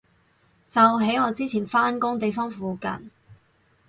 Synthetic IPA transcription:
t͡sɐ˨wɦe˨˥jɔː˨˧t͡siː˥t͡sʰiː˨˩nfaː˥nkʊ˥ŋt̪e˨jfɔː˥ŋfuː˨˧kɐ̰˨˩n

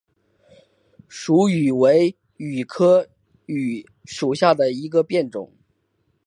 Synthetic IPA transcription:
ʂu˧˥y˨˩we˧˥ɪ | y˨˩kʰɤ˥ | y˨˩ | ʂu˨˩ɕja˥˩d̪ə˩i˧˥ɡə˧pjɛ˥˩nʈ͡ʂʊ̰˨˩˦ŋ

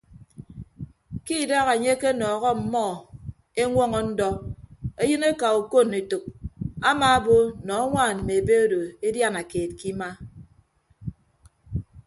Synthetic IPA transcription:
ki˦˨da˦ɣa˨ɲe˦ke˦nɔː˨ɣɔ˦m̩˨mɔ˦˨ | e˦ŋʷɔ˦ŋɔ˦n̩˦dɔ˦e˦jɨ˦ne˦ka˨o˨ko˦˨ne˨to˨k̚a˦maː˦bo˦nɔ˨˦a˦ŋʷaː˦˨nm̩˨me˨be˦o˦do˨e˦dja˦na˨keː˨t̚ki˦ma˦

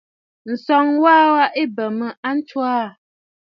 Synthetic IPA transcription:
n̩˨sɔ˨ŋwaː˦wa˦ʔe˦bə˨mə˨a˦n̩˦t͡ʃwaː˦˨

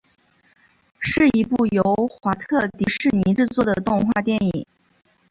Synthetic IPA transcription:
ʂɻ̩˥˩i˧˥pu˥˩jo˧˥ʊxwa˧˥t̪ʰɤ˥˩t̪i˧˥ʂɻ̩˥˩ni˧˥ʈ͡ʂɻ̩˥˧t͡swɔ˥˩d̪ə˩t̪ʊ˥˧ŋxwa̰˥˧t̪jɛ˥˧ni˨˩˦

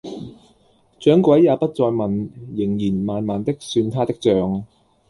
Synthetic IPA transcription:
t͡ʃœː˨˥ŋkwɐ˨˥jːaː˨˧pɐ˥t̚t͡sɔː˧jmɐ˨njɪ˨˩ŋjiː˨˩nmaː˨nmaː˨nt̪ɪ˥k̚syː˧nt̪ʰaː˥t̪ɪ˥k̚t͡sœː˨˧ŋ

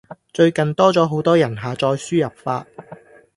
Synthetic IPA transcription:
t͡ʃɵ˧ɥkɐ˨nt̪ɔː˥t͡sɔː˨˥ɦo˨˥wt̪ɔː˥jɐ˨˩nɦaː˨t͡sɔː˧jsyː˥jɐ˨p̚fa̰ː˧t̚

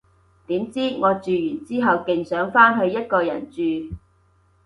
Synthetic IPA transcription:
t̪iː˨˥mt͡siː˥ŋɔː˨˧t͡ʃyː˨jyː˨˩nt͡siː˥ɦɐ˨wkɪ˨ŋsœː˨˥ŋfaː˥nɦɵ˨˧ɥjɐ˥t̚kɔː˧jɐ̰˨˩nt͡ʃyː˨˧

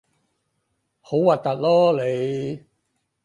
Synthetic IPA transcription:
ho˨˥wa˨˩t̚t̪ɐ˨˩t̚lɔː˥le˨˧j

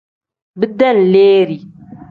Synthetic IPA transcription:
bɨ˦d̪ːa˦n˨leː˦ɾi˨

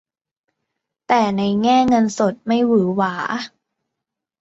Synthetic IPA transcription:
t̪ɛː˨˩na˧jŋɛː˥˩ŋɤ˧nso˨˩t̪̚ma˥˩jwɯː˩˦waː˩˦

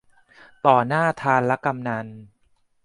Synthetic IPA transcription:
t̪ɔː˨˩naː˥˩t̪ʰaː˧nlɛ˦˥ka˧mna˧n

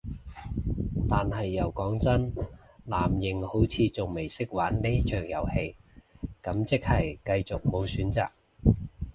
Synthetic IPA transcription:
t̪aː˨nɦɐ˨jːɐ˨˩wkɔː˨˥ŋt͡sɐ˥n | laː˨˩mjɪ˨ŋho˨˥wt͡sʰiː˨˧t͡sʊ˨ŋme˨˩jsɪ˥k̚waː˨˥nle˥t͡ʃʰœː˨˩ŋjɐ̰˨˩whe˧jkɐ˨˥mt͡sɪ˥k̚hɐ˨˩jkɐ˧jt͡sʊ˨k̚mo˨˧wsyː˨˥nt͡sa̰ː˨k̚

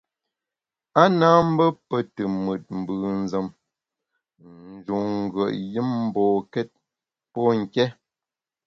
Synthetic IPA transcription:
a˦naː˦m̩˦bə˦pə˦tə˨mə˨t̚m̩˨bɨː˨n̩˨zə˨m | n̩˨d͡ʒu˨ŋ̩˨ɡə˨ʔji˦mm̩˦bɔː˨kɛ˦t̚ | pɔ˦ŋ̩˨kɛ˦

